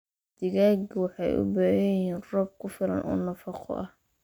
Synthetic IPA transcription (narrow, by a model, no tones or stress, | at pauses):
d̪̥ɪɣaːɡwɑħɑjʊ̰baːɦɐjiːnrɔːb̚kʰʊfɪlɐ̰nʔɔ̰ːnɐfɑqʰɔ̰ʔɐh